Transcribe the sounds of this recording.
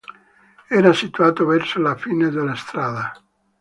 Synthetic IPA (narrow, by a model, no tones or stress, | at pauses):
ɛːɾasit̪uaːt̪ovɛrsolafiːned̪elːast̪ɾaːd̪a